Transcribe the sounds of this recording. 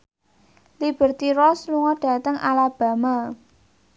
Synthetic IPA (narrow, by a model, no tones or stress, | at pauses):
lib̥ə̤rt̪iɾɔsluŋɔɖ̥a̤t̪əŋalab̥ä̤ma